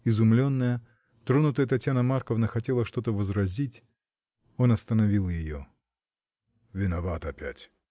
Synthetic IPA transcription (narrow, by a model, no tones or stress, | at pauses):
ɪzʊmlʲo̞nːəjə | t̪ɾonʊt̪əjət̪ɐtʲjanəmarkəvnəxɐtʲelˠəʂt̪o̞t̪əvəzɾɐzʲitʲ | o̞nɐst̪ənɐvʲilˠjɪjo̰ | vʲɪnɐvat̪ɐpʲæ̰tʲ